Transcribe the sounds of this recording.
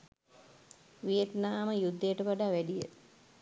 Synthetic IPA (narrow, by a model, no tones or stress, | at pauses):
ʋijet̪naːməjud̪ːəjəʈəʋaɖaːʋæɖijə